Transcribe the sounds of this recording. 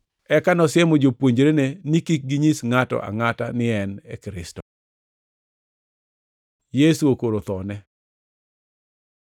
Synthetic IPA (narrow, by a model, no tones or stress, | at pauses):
ɛkanɔsjemod͡ʒopwoɲd͡ʒɾenenikik̚ɡiɲisŋatɔ̰ʔa̰ŋatanɪɛnekɾɪstɔ | jesuokoɾot̪ɔnɛ